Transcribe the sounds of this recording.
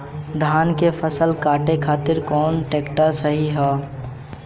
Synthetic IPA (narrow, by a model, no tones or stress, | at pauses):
d̪ʱaːnkefʰəsəlkaːʈekʰaːt̪ɪɾkɔːnʈeːkʈasəɦiɦɛː